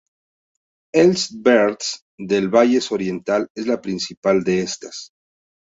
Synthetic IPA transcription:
elsbeɾt̪s | d̪e̞lβaʝe̞so̞ɾje̞nt̪ale̞zlapɾinsipald̪e̞est̪as

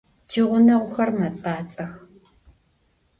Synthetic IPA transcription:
d͡ʒʰiʁʷʊnɐʁʷʊxɐrmɐt͡sʼaːt͡sʼɐx

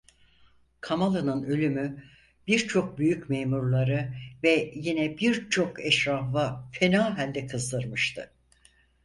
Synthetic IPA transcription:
kʰamalˠɯnɯnø̞lʲymy | b̥iɾt͡ʃʰo̞k̚byjycmeːmuɾlˠaɾɯvɛjinɛbiɾt͡ʃʰo̞kɛʃɾafafe̞naːɦælʲd̪ɛkʰɯzd̪ɯɾmɯʃt̪ʰɯ̰

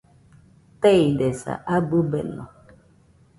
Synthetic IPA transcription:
teidɛsa̰ʔabubḛnɔ̰

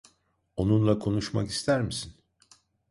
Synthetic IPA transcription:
o̞nunlˠakʰo̞nuʃma̰ki̥st̪ʰæɾmisin

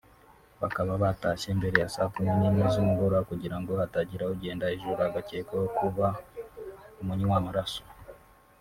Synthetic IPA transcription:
βa̰kaβaβataʃe̞ːmbe̞ɾe̞jasaːkumininizumuɡoɾakuɟiɾaŋɡo̞ataɟiɾauɟe̞ːndaeʒuɾaɡaceːkojokuβa | umuɲiwamuɾaso̥

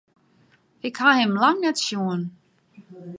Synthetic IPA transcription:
ɪkhahɪmlaŋnɛtʃjuən

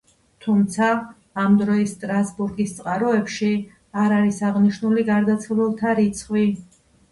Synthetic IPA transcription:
t̪ʰumt̪sʰaː | md̪ɾɔist̪ʼɾasbuɾɡist̪sʼqʼaɾɔɛpʃi | aɾaɾisaʁniʃnuliɡaɾd̪at̪sʰlɛlˠt̪ʰaɾit̪sʰχwi

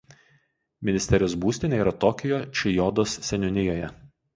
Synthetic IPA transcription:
mʲɪnʲɪsʲt̪ʲɛɾʲɪjoːsbuːsʲt̪ʲɪnʲeiːɾɐt̪ɔkʲɪjoːt͡ʃʲɪjɔd̪oːssʲɛnʲʊnʲɪjoːjɛ

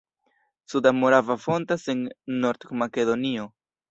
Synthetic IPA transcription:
sudamo̞ɾavafo̞ntase̞nːo̞ɾt̪make̞do̞nio̞

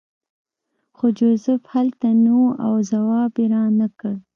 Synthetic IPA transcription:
xod͡ʒozɪfhalt̪anawuʔawzawɑbeɾɑnakəɽ

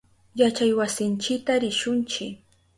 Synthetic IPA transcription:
jat͡ʃajwasɪnt͡ʃɪkt̪aɾɪʃʊnt͡ʃɪk

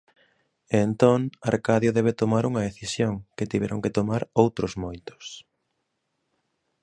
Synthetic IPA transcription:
ent̪oŋaɾkaðjoðɛβet̪omaɾuŋɐðeθisjoŋket̪iβɛɾʔoŋkɪt̪omaɾowt̪ɾʊzmojt̪ʊ̥s

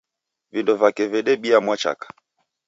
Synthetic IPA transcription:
vindɔvakɛvɛɗɛɓiamwat͡ʃa̰kḁ

